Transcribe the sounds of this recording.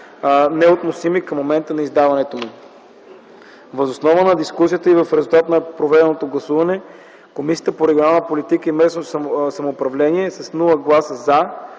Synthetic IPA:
nɛot̪nosimikɐmːomɛnt̪ənɐizd̪avɐnɛt̪omu | vɐzosnɔvənɐd̪iskus̬ʲijət̪əivɐfɾɛzulˠt̪at̪nɐpɾovɛd̪ɛnot̪oɡlˠɐsuvɐnɛ | komisiət̪əpoɾɛɡʲjonalˠnəpolit̪ikəimɛsnosɐmoːpɾɐvlɛniɛsɐsnulˠəɡlˠasəza

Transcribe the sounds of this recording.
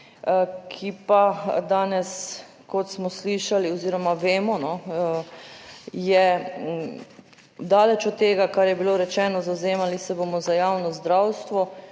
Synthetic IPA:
kʰipad̪aːnɛs | kɔt̪smɔsliʃaliɔziːɾɔmaʋeːmɔnɔ | jɛ | d̪aːlɛt͡ʃɔt̪ːeːɡakaɾjɛbiloːɾɛt͡ʃɛːnɔzawzeːmalisɛbomɔzajaːwnɔzd̪ɾawst̪ʋɔ

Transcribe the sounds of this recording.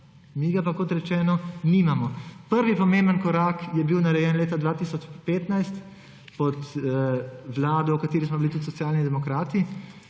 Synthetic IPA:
miːɡapakot̪ɾɛt͡ʃɛːnɔniːmamɔpəɾʋipɔmẽːmbənkɔɾaːkjɛbiwnaɾɛjɛːnleːt̪ad̪ʋaːt̪isɔt͡ʃpeːt̪najst̪ | pɔt̪ | ʋlaːd̪ɔwkat̪eːɾismɔbilit̪ut̪sɔtsjaːlnid̪ɛmɔkɾaːt̪i

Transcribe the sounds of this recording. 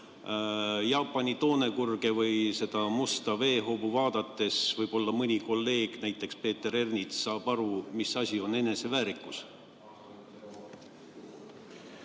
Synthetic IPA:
jɑːpːˑɑnit̪o̞ːne̞kurɡ̥e̞vɯjse̞d̪̥ɑmust̪ɑve̞ːɦo̞ːbuvɑːd̪̥ɑt̪ːˑe̞svɯjb̥o̞lːɑmɯnʲiko̞lːe̞ːɡ̥næjt̪ːˑe̞kspe̞ːt̪ːe̞ɾe̞rnit̪sɑːb̥ɑɾumisɑsʲio̞ne̞ne̞se̞væːɾikːˑus

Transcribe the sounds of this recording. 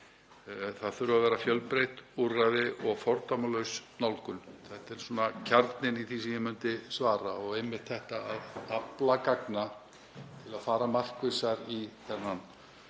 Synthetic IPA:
θaðθʏɾʏavɛːɾafjœlpɾejht̪urajðɪʔɔɣfɔɾt̪amalœɥsnawlkʏnθɛht̪ɛɾ̥suɔnacʰaɾt̪nɪniθisɛmjɛmʏnt̪ɪsvaːɾaɔɣejmːɪr̥t̪ʰθɛht̪aːðaplakakna | t̪ʰɪlaðfaːɾamar̥kvɪsaɾiθɛnːan

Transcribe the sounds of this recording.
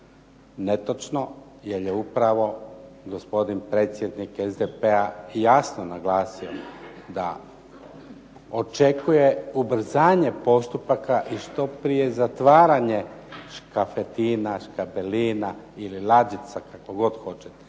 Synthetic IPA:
ne̞t̪ot͡ʃno | jeljeupɾaʋo̞ɡo̞spo̞d̪inpɾe̞ːt̪sʲje̞d̪nikezd̪epeajaːsnonaɡlaːsiod̪a̰ | o̞t͡ʃe̞kuje̞ubɾ̩zaːɲe̞po̞st̪upakaʔiʃt̪o̞pɾije̞zat̪ʋaːɾaɲe̞ʃkafet̪iːnaʃkabeliːna | ililad͡ʒit̪sakakoɡo̞d̪xo̞t͡ʃet̪

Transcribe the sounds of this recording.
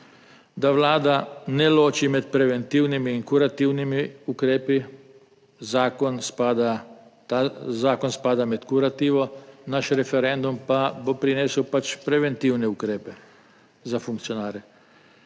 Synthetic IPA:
d̪aʋlaːd̪aneloːt͡ʃimed̪pɾeʋent̪iːwnimiːŋkuɾat̪iwnimiukɾeːpi | zaːkonspad̪at̪azaːkonspaːd̪amet̪kuɾat̪iːʋonaʃɾefeɾend̪umpad̪opɾinesupat͡ʃpɾeʋent̪iwneukɾeːpe | zafuŋkt̪sionaːɾe

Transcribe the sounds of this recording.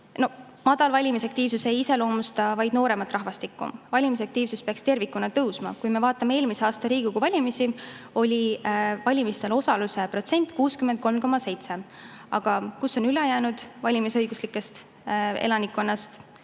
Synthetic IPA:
no̞h | mɑd̪̥ɑlvɑlʲimisɑk̚t̪iːvsuse̞jise̞lo̞ːmust̪ɑvɑjd̪̥no̞ːɾe̞mɑt̪ːˑrɑɦvɑst̪ikːṵvɑlʲimisɑkt̪iːvsuspeɑkst̪e̞rvikːˑunɑt̪ɤwsmɑ̰kujme̞vɑːt̪ːˑɑme̞e̞ːlmiseɑːst̪ɑɾiːɡ̥ukuvɑlʲimisi | o̞lʲivɑlʲimist̪e̞lo̞sɑluse̞pro̞t̪se̞nʲt̪ːˑkuːskymend̪̚ko̞lmko̞mːɑse̞jt̪se̞ | ɑ̰ɡ̥ɑkuso̞nylɛjæːnud̪̥vɑlʲimisɤjɡuslikːˑe̞st̪ | ḛlɑnikːˑonːɑst̪

